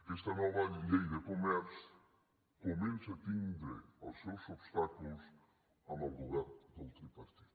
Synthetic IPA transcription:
est̪ɐnɔvɐʎejðekomɛɾs | komẽnsat̪ĩnd̪ɾḛasewsobst̪akulos | anaβɾuɣaɾd̪olˠt̪ɾipaɾt̪iðu

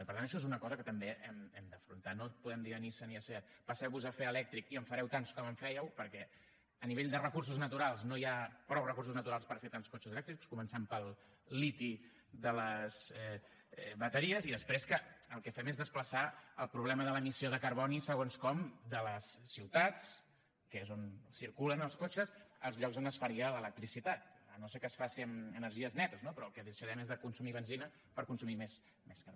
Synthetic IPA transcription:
pəɾt̪añəʃɔezunəkɔzəkət̪əmbeʔɛmɛmd̪əfɾunt̪anopuðɛmd̪iənisəniəsɛt̪̚pəsɛwβuzəfeəlɛk̚t̪ɾikiəɱfəɾɛwt̪anskɔməɱfɛjəwpəɾkɛ | əniβeʎd̪ərəkurs̬uznət̪uɾalˠznojapɾɔwrəkursuznət̪uɾalˠspəɾfet̪anskoɔt͡ʃuzəlɛkt̪ɾikskumənsɛmpəlˠ | lit̪i | ðələzɛ | ɛβət̪əɾiəziðəspɾeskəəlˠkɛfɛmezðəspləsaəlˠpɾuβ̞lɛməðələmisioðəkəɾβɔnisəɣ̞onskɔmd̪ələsːiwt̪at͡s | kəezonsiɾkulənəlˠskot͡ʃəsəlˠzʎɔkzonəsfəɾiələlək̚t̪ɾisit̪at̪̚ənosekəsfasinənəɾʒiəznɛt̪əznopɾɔəlˠkɛðəʃəɾɛmezðəkunsumiβənzinə | pəɾkunsumimez | mɛskə

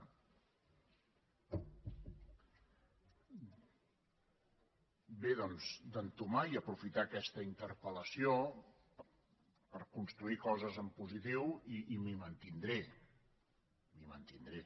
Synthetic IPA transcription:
beðɔnzd̪ənt̪umaiəpɾufit̪aːkɛst̪əint̪əɾpələsio | pəɾkunst̪ɾuikɔzəzəmpuzit̪iwiːmimənt̪ind̪ɾe | mimənt̪ind̪ɾe

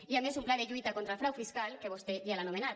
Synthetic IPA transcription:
iamezumplaðeʎujt̪akont̪ɾalfɾawfiskalkeβost̪eialanomenat̪

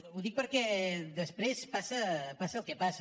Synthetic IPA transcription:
uðik̚pəɾkɛd̪əspɾespasɐpasɐlˠkepasɐ

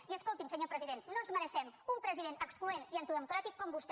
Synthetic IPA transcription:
iəskolˠt̪imsəɲopɾəziðennːonzməɾəʃɛmumpɾəziðenəksplueniənt̪iðəmukɾat̪ikːɔmbust̪

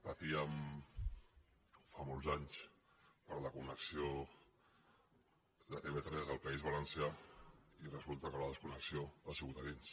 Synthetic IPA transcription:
pət̪iəm | famolˠzaɲs | pəɾləkunəksio | lat̪eβet̪ɾɛzəlˠpaizβalənsja | irəzulˠt̪əkələðəskunəksioasiɣut̪aðins

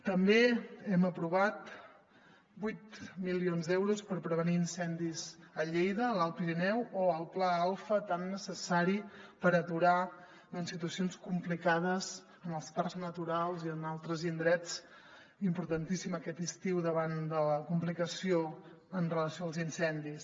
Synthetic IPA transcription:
t̪əmbeɛməpɾuβ̞at̪ | bujt̪milionzðɛwɾuspəɾpɾəβ̞əniːnsɛnd̪izəʎejðəːlalˠpiɾinɛwoəlˠplaalˠfət̪anːəsəsaɾipəɾət̪uɾa | ɔnsit̪uəsionskumplikað̞əz | ənəlˠsparznət̪uɾalˠziənalˠt̪ɾəzind̪ɾɛt͡s | impuɾt̪ənt̪isiməkɛt̪ist̪iwðəβand̪ələkumplikəsio | ənrələsioalˠzinsɛnd̪is

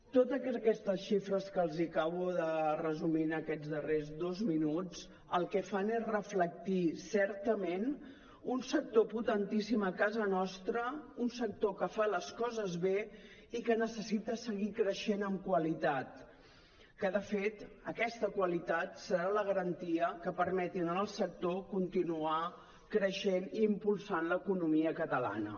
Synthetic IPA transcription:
t̪ot̪əkɛkɛst̪əsʃifɾəskəlˠzikaβuðərəzuminəkɛd͡zðərezdozminud͡z | əlˠkɛfanezrəflək̚t̪isɛɾt̪əmen | unsək̚t̪oput̪ənt̪isiməkazənɔst̪ɾəunsək̚t̪okəfaləskɔzəzβe | ikənəsəsit̪əsəɣikɾəʃenəmkwəlit̪at̪ | kəðəfet̪əkɛst̪əkwəlit̪at̪səɾaləɣ̞əɾənt̪iəkəpəɾmɛt̪inəəlˠsək̚t̪okunt̪inua | kɾəʃeniːmpulˠsanləkunumiəkət̪əla̰nə̰

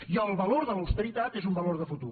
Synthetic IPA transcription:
jəəlˠβəloɾðələwst̪əɾit̪at̪ezumbəloɾðəfut̪ṵ

